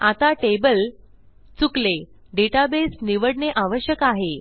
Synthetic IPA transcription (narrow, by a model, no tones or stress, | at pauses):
at̪aʈebəl | t͡sukle | ɖeʈabesniʋəɽɳeʔaʋəɕjəkaɦe